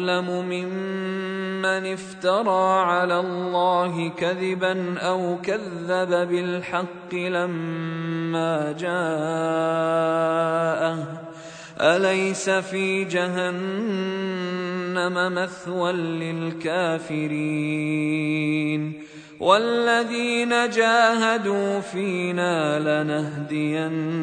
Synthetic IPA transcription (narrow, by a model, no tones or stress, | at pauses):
lamʊmɪmː | anɪft̪ɑɾˤɑːʕalaːlːɑːɦɪkaðɪbanʔawkaðːababɪlħɑqːɨlamː | aːd͡ʒaː | ʔa | ʔalajsafiːd͡ʒaɦan | amamaθwanlɪlkaːfɪɾiː | n | wʔalːaðiːnad͡ʒaːɦad̪uːfiːnaːlanaɦd̪ɪjan